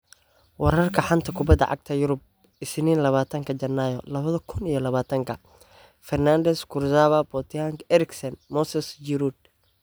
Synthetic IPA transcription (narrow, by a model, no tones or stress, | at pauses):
wɑɾɐrkʰɐħant̪ʰɐkʰʊbɐd̪ːɐ̰ʕɑ̰ɡ̚t̪ʰɐjʊɾʊb̚ | ɪsniːnlɐβaːt̪ʰɐŋkʰɐt͡ʃɐnːajɔ̰lɐβɐðɐkʰʊnijɞlɐβaːt̪ʰɐŋkʰɐ | fɛrnaːnd̪ɛskʰʊrsaːβɐbɔt̪ʰɪaːŋkɛɾɪksɐnmɔsɛsjɪɾud̪